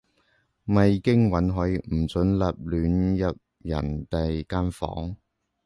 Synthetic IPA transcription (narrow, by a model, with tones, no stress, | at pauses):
mɐ˨jkɪ˥ŋwɐ˨˥nɦɔ˨˥jm̩˨˩t͡sɵ˨˥nlɐ˨p̚lyː˨˥njɐ˨p̚ | jɐ̰˨˩nt̪e˨jkaː˥nfɔ̰ː˨˥ŋ